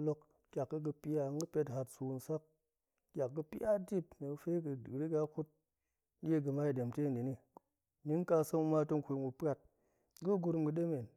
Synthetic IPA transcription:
lo˦k | kʲa˨kːɨ˦ɡɨ˧pi˦ja˧˦ŋɡɨ˦pe˧tɦa˧tsu˨nsa˦k̚ | kʲa˨kɡɨ˧pi˦ja˦di˦p̚ni˨ɨ˧fe˦ɡɨ˧˨ɾi˦ɡa˧ku˦t̚ʲ | e˦ɡɨ˧ma˦i˨de˨mte˦˨n˨di˨ni˦ | ni˦n˦ka˧sə˦ŋu˧ma˧˦to˦ŋkʷu˧˨mu˨˧pʲa˦t̚ | ɡu˦ɡu˧ɾu˧mɡɨ˧ɗe˦me˨n

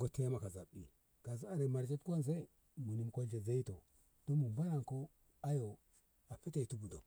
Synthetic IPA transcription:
ɡo˦te˦ja˦ma˨ka˨za̰˨bḭ˨ | ka˨zu˦a˨ɾe˨ma˨ɾd͡ʒa˦tku˦wa˦ns̬e˦˨ | mu˨ni˨mko˦ɮe˨za˦i˦to˨ | d̥o˦mu˨mba˦la˨ŋko˦ | a˦jo˨ | a˨pe˦te˨tu˦bu˨do˨

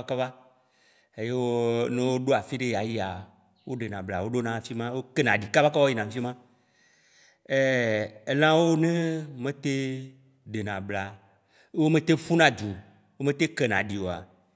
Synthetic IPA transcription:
ka˦va˦ | e˦je˦wo˦nẽ˦wo˦ɖo˦a˨fi˦ɖe˦ja˨ji˦a˨ | wo˦ɖe˨nã˨bla̰˨wo˦ɖo˦nã˨fi˦mã˦wo˦ke˦nã˨ɖi˨ka˦va˦ka˦ɔ˦i˦nã˨ŋ˨fi˦mã˦ | e˦e˦lã˦wo˦nẽ˦mẽ˦t̪e˦ | ɖe˨nã˨bla˨˦ | wo˦mẽ˦t̪e˦fu˦nã˦d͡ʒ̪u˨ | wo˦mẽ˦t̪e˦ke˦nã̰˨ɖi˨wo˨a̰˨

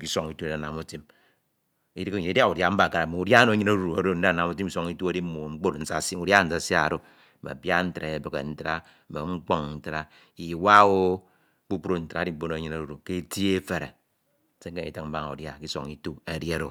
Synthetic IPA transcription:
ki˦so˦ŋi˦tu˦e˨dna˨mu˦ti˦m | i˦ɾi˦kɲi˨i˦dja˦u˨dja˦m̩˦ba˨ka˨ɾa˨me˨u˨dja˦no˨˦ɲi˦na˦ɾu˨a˦ɾo˦n̩˦˨na˨mu˦t̬i˦m˦i˦so˦ŋi˦tu˦a˨˦di˦m˦mo˨ŋ͡m̩˦k͡po˦tn̩˨sa˦˨si˦u˨dja˦n̩˨sa˦˨si˦a˦˨ɾo˦˨ | ba̰˨bja˦n̩˦tɾa˨e˨bɨ˨kḛ˨n̩˦tɾa˦ | m̩˨be˨ŋ͡m̩˦k͡po˦ŋn̩˨tɾa˦ | i˨wa˦wo˦ | ku˦pu˦ɾo˦n̩˨ta˨˦di˦bo˦no˨˦ɲi˦na˦˨ɾu˨ke˦ti˦e˦fe˨ɾḛ˨˦ | se˦ŋ̩˦e˦˨ḭ˨tɨ˦km̩˦ba˦ŋ˨u˨dja˦˨ki˦so̰˨ŋi˦tu˦a˨di˦a˦ɾo˨

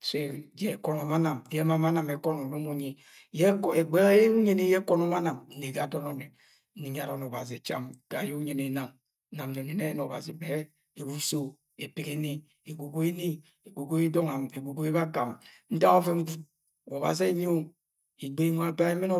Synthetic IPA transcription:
se˦d͡ʒe˦˨kɔ˨˦no˨ma˦na˨m˨je˦ma˦ma˦na˨me˨kɔ˦nu˨no˦mo˨ɲe˨ | je˦˨e˨ɡ͡be˦ɣje˦u˦ɲe˦ne˦je˦kɔ˦no˦ma˦na˨mn̩˦ne˨ɡa˨dɔ˦no˨ne˨˦ | ni˨ɲ˦a˨ɾɔ˨no˨ba˨ze˨t͡ʃa̰˦mɡ̥a˨je˦u˦ɲe˨ne˨˦na˨m˦ | na˨mne˨ne˨ne˦n˨ɔ˨ba̰˨zi˨˦be˦ | e˨bu˦so˦ | e˨pi˨ke˦ne˨ | e˨ɡo˨ɡo˦e˦ni˦ | e˨ɡo˨ɡo˦e˦dɔ˦ŋa˨me˨ɡo˨ɡo˦e˦βa˦ka˨m | n̩˦da˦o˦ve˦m̩˦ɡu˦t̚ | o˨βa̰˨ze˦ɲ˦o˦ | i˨ɡ͡be˦ŋʷa˦ba˦e˦me˦no˦

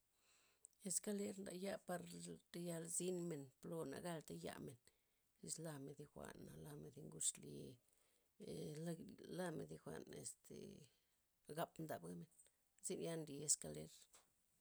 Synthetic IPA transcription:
e˧ska˧le˦ɾnd̪a̰˨ja˦pa˧ɾɾe˧ja˧lzi˦nme˨nplo˧na̰˨ɡa˦lt̪a˦ja̰˧me˨n | ɾḭ˧˦sla˧me˨d̪i˧xʷa̰˨nːa˨la˧me˨d̪i˧ŋɡu˦ʂli˧˨ | la˦mḛ˨d̪i˧xʷa̰˨nḛ˨st̪ʰḛ˨ | ɡa˦pnd̪a˨bɡa˦me˨n | zi˦nja˦nɾi˧e˧ska˧le˦ɾ

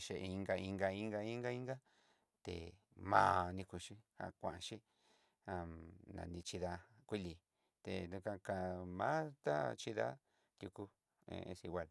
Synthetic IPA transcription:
ʃe˧i˧ŋɡa˧i˧ŋɡa˧i˦ŋɡa˧i˦ŋɡa˦i˦ŋɡa˦ | t̪ḛ˨ | mã̰ː˦nĩ˧ku˧ʃi˦hã̰˧kʷã˨ã˧ʃi˦ | ã˧nã̰˨˧nĩ˧t͡ʃi˧ða˧kʷi˦li˧ | t̪ḛ˨nũ˧kã˧ka˧˨˧mã˦t̪a˦t͡ʃi˧ða̰˦ | t̪ʲu˧ku˧ | ḛ̃˧ẽ˧si˧ɡʷa˧˨l

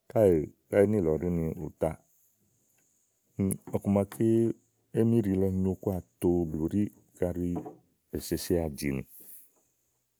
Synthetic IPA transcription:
ka˦e˨ka˦e˦nɪ̃˦˨lɔ˨ɾɪ˦nɪ̃˨ʊ̰˨t̪a˦ | n˨ɔ˨ku˨mã˨kʰɪ˦ | e˦mĩ˦ɾi˨lɔ˧ɲo˦ku˦a˨t̪o˦blo˨ɾi˦ | ka˦ɾi˦ | e˨se˨sɪ˦a˨d͡ʒi˨nɪ̰̃˨

